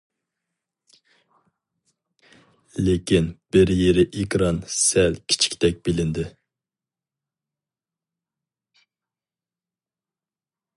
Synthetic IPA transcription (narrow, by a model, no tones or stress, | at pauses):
lekʲinb̥ɪɾjeɾɪʔekɾɑnsɛlkʲʰi̥t͡ʃʰi̥kʲʰi̥t̪ɛk̚ʲbɪlɪnd̪ɪ